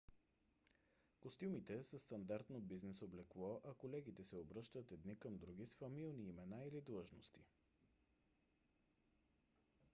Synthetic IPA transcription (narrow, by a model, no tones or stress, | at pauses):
kost̪ʲjumit̪ɛsəst̪ɐnd̪aɾt̪nobiznɛsoblɛklˠɔʔɐkolɛɡit̪ɛsɛobɾɤʃt̪ət̪ɛd̪nikəmd̪ɾuɡʲisfɐmilˠniːmɛnailid̪lˠɤʒnost̪i